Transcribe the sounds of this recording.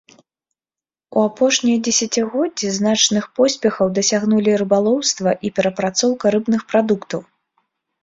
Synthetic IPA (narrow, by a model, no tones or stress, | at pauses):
ṵapɔʂnʲijɐd͡zʲɛsʲat͡sʲiɣɔd͡zʲiznat͡ʂnɨxpɔsʲpʲɛxɐwd̪ɐsʲaɣnulʲiɾɨbalˠɔwst̪vɐʔipʲɛɾɐpɾat̪sɔwkɐɾɨbnɨxpɾad̪ukt̪ɐw